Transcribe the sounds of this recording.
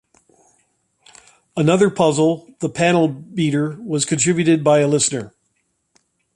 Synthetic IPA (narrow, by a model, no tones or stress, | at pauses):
ənʌðə˞pʰʌzl̩ˠðəpʰænl̩ˠbiɾə˞wʌz̥kʰɨ̃ntʰɹ̥ɪbjʉɾɨd̚baɪɨlɪsnə˞